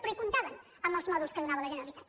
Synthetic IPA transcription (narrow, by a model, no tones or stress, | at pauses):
pɾikunt̪aβən | əmbəlˠzmɔðulˠskəðunaβələʒənəɾəlit̪at̪